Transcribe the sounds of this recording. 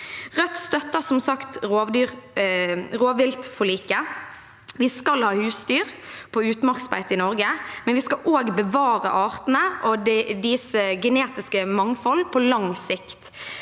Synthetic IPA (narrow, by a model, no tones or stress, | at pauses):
ʁœt̪st̪œt̪ːəsɔmsɑkt̪ʁoːʋd̪yːʁ | ʁoːʋɪlt̪fɔliːkə | ʋɪskɑlhɑːhʉːsd̪yːʁpʰɔʉːt̪mɑʁksbæ̰ɪt̪ɪnɔɾɡəmɛnʋɪskɑʔoːɡbəʋɑːɾə̰ʔɑːʁt̪n̩əʔɔd̪ɛd̪ɪsəɡɛneːt̪ɪskəmɑŋfɔlːpʰɔlɑŋsɪkt̪